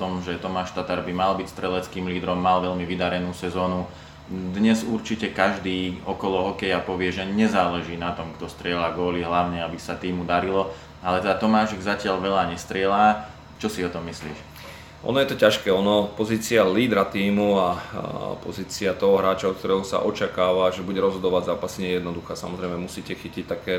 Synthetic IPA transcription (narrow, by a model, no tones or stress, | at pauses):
t̪ɔmʒɛt̪ɔmaːʃt̪at̪aɾbimalbicst̪ɾɛlɛt͡skiːmliːd̪ɾɔmːalʋɛʎmiʋid̪aɾɛnuːsɛzɔːnu | d̪ɲɛzuɾt͡ʃicɛkaʒd̪iːɔkɔlɔɦɔkɛjapɔʋɪɛʒɛɲɛzaːlɛʒiːnat̪ɔmkt̪ɔst̪ɾɪɛlaːɡɔːliɦlaʊɲɛabisat̪iːmud̪aɾilɔ | alɛt̪ɛd̪at̪ɔmaːʃɛɡzacɪaʎʋɛʎaɲɛst̪ɾɪɛlaː | t͡ʃɔsiɔt̪ɔmːislḭːʃ | ʔɔ̰nɔjɛt̪ɔcaʃkɛːɔnɔpɔziːt͡sialiːd̪ɾat̪iːmuapɔ̰ziːt͡siat̪ɔɦɔɦɾaːt͡ʃaɔk̚t̪ɔɾɛɦusa̰ʔɔt͡ʃakaːʋaʒɛbuɟɛɾɔzɦɔd̪ɔʋaɟzaːpasiɲɛjɛd̪nɔd̪uxaːsamɔzɾɛɪmɛmusiːcɛxicic̚t̪akɛː